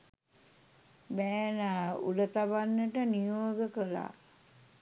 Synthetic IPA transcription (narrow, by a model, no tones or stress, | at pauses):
bɛːnaːṵlət̪abanːəʈənijoːɡəkəla̰ː